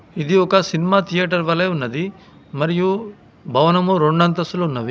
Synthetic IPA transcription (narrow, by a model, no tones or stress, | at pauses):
id̪iɔkɐsinimaːt̪ʰijɐːʈ̬ɐɾʋɐlɐunːɐd̪i | mɐɾiju | bʱɐʋɐnɐmuɾoɳɖɐnt̪ɐsulunːɐʋi